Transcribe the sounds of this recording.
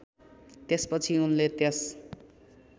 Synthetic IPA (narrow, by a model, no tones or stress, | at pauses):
t̪espʌt͡sʰiunlet̪jʌs